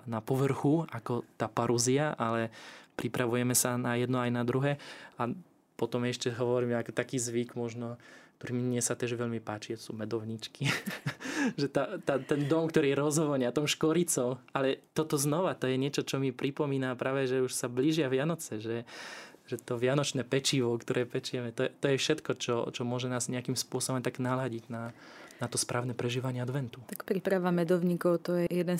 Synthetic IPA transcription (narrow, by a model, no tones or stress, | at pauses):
napɔʋr̩xuakɔt̪aːpaɾuziaʔalɛpɾipɾʔaʋujɛmɛsanajɛd̪nɔajnad̪ɾuɦɛːa | pɔt̪ɔmɛʃcɛɦɔʋɔɾiːmɛakɔt̪akiːzʋikmɔʒnɔk̚t̪ɔɾiːmiɲɪɛsat̪ɛːʒʋɛʎmipaːt͡ʃit̪ɔ̥suːmɛd̪ɔʋɲit͡ʃki | ʒɛt̪at̪at̪ɛnd̪ɔmkt̪ɔɾiːɛɾɔzɦʋɔɲɪat̪ɔmʃkɔɾit͡sɔmalɛt̪ɔt̪ɔznɔʋat̪ɔjɛɲɪɛt͡ʃɔt͡ʃɔmipɾipɔmiːnapɾʔaːʋɛʒɛuʃsabliʒɪaʋɪanɔt͡sɛʒɛʒɛt̪ɔʋɪanɔt͡ʃnɛːpɛt͡ʃiʋɔkt̪ɔɾɛːpɛt͡ʃijɛmɛt̪ɔjɛt̪ɔjɛfʃɛt̪kɔt͡ʃɔt͡ʃɔmʊɔʒɛnaːzɲɛakimspʊɔsɔbɔmt̪aɡnalaɟiɟna | nat̪ɔspɾʔaːʊnɛpɾɛʒiːʋaɲɪɛad̪ʋɛnt̪ut̪akpɾipɾaʋamɛd̪ɔʊɲikɔʊt̪ɔjɛjɛd̪ɛn